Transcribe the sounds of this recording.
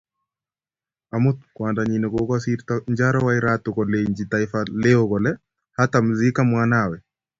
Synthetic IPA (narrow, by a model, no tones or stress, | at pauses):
amʊt̪̚kwandaɲinɔkokasiɾt̪aɲd͡ʒaɾɔwaɪɾat̪ʊkɔleɲd͡ʒit̪aɪfaleokɔlɛ | hat̪amzikamwanawɛ